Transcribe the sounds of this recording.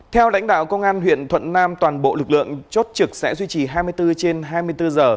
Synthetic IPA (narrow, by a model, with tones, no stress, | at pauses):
t̪ʰɛ˧wla̰˧˥jŋ̟ɗa̰ː˧˨wkə˧wŋ͡mʔaː˧nɦwḭ˧˨ənt̪ʰwə̰˧˨nnaː˧mt̪waː˨˩nɓo̰˧˨lɨ˨˩k̚lɨ̰˧˨əŋt͡ɕo˦˥t̚t͡ɕɨ˨˩k̚sɛ̰˧˥zwi˧t͡ɕi˨˩ɦaː˧jmɨ˧əjt̪ɨ˧t͡ɕe˧nɦaː˧jmɨ˧əjt̪ɨ˧zəː˨˩